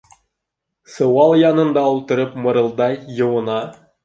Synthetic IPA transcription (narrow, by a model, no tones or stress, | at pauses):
sɤ̆wɑlˠjɑnɤ̆nd̪ɑulˠt̪ɤ̆ɾɤpmɤ̆ɾɤ̆lˠd̪ɑjɤ̆wɤ̆nɑ